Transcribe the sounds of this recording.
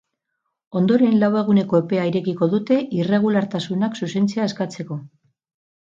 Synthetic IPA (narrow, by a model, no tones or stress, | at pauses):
o̞nd̪o̞ɾe̞nlawe̞ɣ̞une̞ko̞epe̞aiɾe̞kiko̞ðut̪e̞ʔire̞ɣ̞ulaɾt̪asunaksuse̞nt͡siaeskat͡se̞ko̞